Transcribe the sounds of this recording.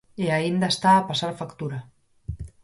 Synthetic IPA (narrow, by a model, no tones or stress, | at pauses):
eaind̪ast̪aːpasaɾfakt̪uɾa